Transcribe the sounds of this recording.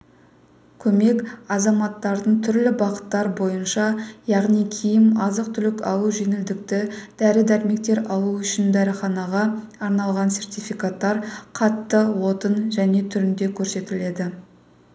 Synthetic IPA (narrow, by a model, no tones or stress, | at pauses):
kʲʰɵme̞kɑzɑmɑt̪ːɑɾd̪əɴt̪ʰʏɾlɪbɑqə̥t̪ːɑɾbo̞jənʃɑjɑʁnijkʲʰijɪmɑzəq̚t̪ʰʏlɪkɑ̰lˠuʒenɪld̪ɪk̚t̪ɪd̪̥æɾɪd̪æɾme̞k̚t̪e̞ɾɑlˠuʏʃɪnd̪æɾɪχɑnɑʁɑ | ɑɾnɑlˠʁɑnse̞ɾt̪ijfijkat̪ːɑɾqʰɑt̪ːəwo̞t̪ənʒæne̞t̪ʰʏɾɪnd̪e̞kʲʰɵɾse̞t̪ɪle̞d̪ɪ